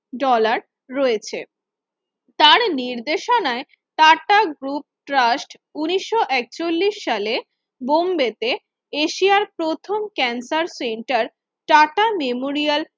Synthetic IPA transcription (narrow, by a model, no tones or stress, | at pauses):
ɖɔlaɾː | ɔet͡ɕʰe | t̪aɾniɾd̪eʃonae | ʈaʈaɡɾup̚ʈɾasʈ | uniʃːoʔɛk̚t͡ɕolːiʃːale | bombet̪e | eʃiaɾpɾot̪ʰomkɛnsaɾseɳʈaɾ | ʈaʈamemoɾial